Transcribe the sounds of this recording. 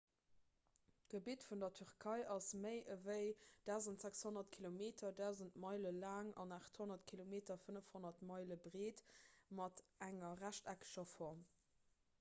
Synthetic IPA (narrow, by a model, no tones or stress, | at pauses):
ɡ̥əbitfundɐtʰyʁkʰɑɪʔɑsməɪʔəvəɪd̥aʊzəntz̥ækshonɐtkʰilomeːtʰɐdaʊzəntmɑɪləlaːŋɑ̰naːχtʰhonɐtkʰilomeːtɐfənəfhonɐtmɑɪləbʁeːtmɑtʔæŋɐʁæʃtækə̥ʃɐfɔʁm